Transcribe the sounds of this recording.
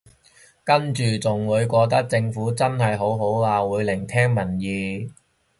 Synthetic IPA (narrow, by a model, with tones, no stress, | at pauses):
kɐ˥nt͡ʃyː˨˩t͡sʊ˨ŋwuː˨˧jkʷɔː˧t̪ɐ˥k̚t͡sɪ˧ŋfuː˨˥t͡sɐ˥nɦɐ˨jɦo˨˥wɦo˨˥waː˧wuː˨˧jlɪ˨˩ŋt̪ʰɛː˥ŋmɐ˨˩njiː˨˧